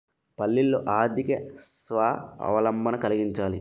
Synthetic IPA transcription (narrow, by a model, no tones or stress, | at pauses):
pɐlːilːo̰ːʔaːd̪ʱikɐsʋaːɐ̰ʋɐlɐmbʱɐnɐkɐliɡiɲt͡ʃaːli